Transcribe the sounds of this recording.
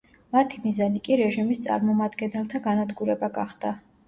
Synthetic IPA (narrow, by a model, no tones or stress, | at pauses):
mat̪ʰimizanikʼiɾɛʒimist̪sʼa̰ɾmɔmad̪ɡɛnɛlˠt̪ʰaɡanad̪ɡuɾɛbaɡaχd̪̥a